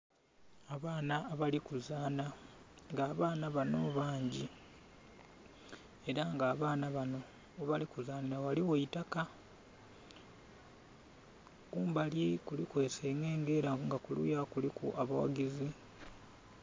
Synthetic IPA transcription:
aβaːnaːβalikuzaːnaŋɡaːβaːnaβanoβaːɲɟi | e̞ɾaŋɡaːβaːnaβano̞ː | βalikuzaːniɾawaliwoitaka | kuːmbalikulikwe̞ːseŋɡe̞ːŋɡe̞ɾaŋɡakulṵjakulikṵʔaβawa̰ɡizi

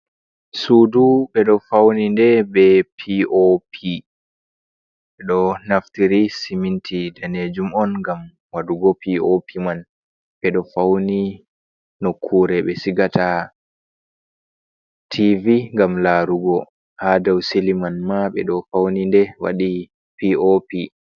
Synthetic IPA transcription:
suduɓɛɗɔfawnindɛbɛpʰiʔopʰi | ɓɛɗɔnaftiɾisimintʰidaned͡ʒumɔnŋɡam | waduɡɔpiopʰiman | ɓɛɗɔfawni | nokʰːuːɾɛɓɛsiɡata | tʰiviŋɡamlaɾuɡɔ | hadawsilimanmaɓɛ̰ɗɔfawnindɛwa̰ɗi | piopi

